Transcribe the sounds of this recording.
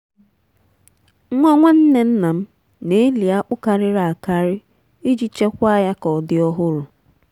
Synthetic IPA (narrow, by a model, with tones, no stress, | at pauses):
ŋʷa˦ŋʷe˦n̩˦ne˦n̩˦na˨m̩˦ | ne˨˦li˨a˦ʔʊ˦ka˨ɾɪ˦ɾa˨a˨ka˦ɾɪ˦ | i˦d͡ʒi˦t͡ʃe˦kʷa˦ja˦kɔ˨dɪ˦ɔ˦ɦʊ˦ɾʊ˨